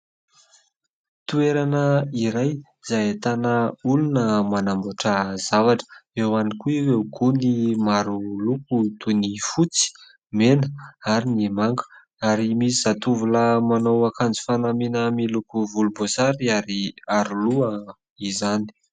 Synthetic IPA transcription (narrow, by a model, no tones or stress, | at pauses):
t̪ueɾanəiɾaj | z̥ajet̪anəulunəmanamboʈ͡ʂəzavaʈ͡ʂə̥ewanikuiwewɡunimaɾulukut̪unifut͡si̥ | menəaɾinimaŋɡə̥ | aɾimisizat̪uvuləmanowakand͡zi̥fanaminəmilukuvulubozaɾiaɾiaɾuluə | izani̥